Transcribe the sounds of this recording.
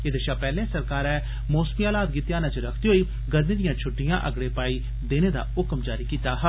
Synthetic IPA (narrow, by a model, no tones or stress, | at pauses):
ed̪əʃaːpɛːlẽːsəɾkaːɾɛː | moːsmiːaːlaːd̪̚ɡiːt̪jaːnãt͡ʃɾəkʰd̪iːɦoːiː | ɡəɾmĩːd̪ɪjãːt͡ʃʰʊʈːɪjã̰ːʔəɡɽeːpaːiː | d̪eːneːd̪a̰ːʊkəmd͡ʒaːɾiːkiːt̪aːɦə